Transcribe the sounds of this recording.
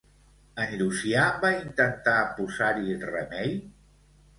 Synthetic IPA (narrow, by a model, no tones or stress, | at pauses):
ənɾusiabaint̪ənt̪apuzaɾirəmɛj